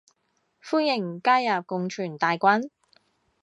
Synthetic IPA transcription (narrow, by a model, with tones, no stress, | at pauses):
fuː˥njɪ˨˩ŋkaː˥jːaː˨p̚kʊ˨˧ŋt͡ʃʰyː˨˩nt̪aː˨˧jkʷa˥n